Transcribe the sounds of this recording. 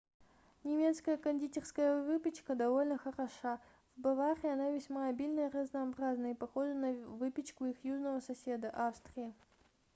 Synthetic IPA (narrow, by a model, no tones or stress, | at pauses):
nʲɪmʲet̪skəjəkɐnʲdʲitʲɪrskəjəvɨpʲɪt͡ɕkəd̪ɐvo̞lʲnəxəɾɐʂa | vbɐvaɾʲɪɐnavʲɪsʲmaɐbʲilʲnəirəznɐɐbɾaznəipɐxo̞ʐɨnɐvɨpʲɪt͡ɕkʊixjuʐnəvəsɐsʲe̞d̪əʔafst̪ɾʲɪɪ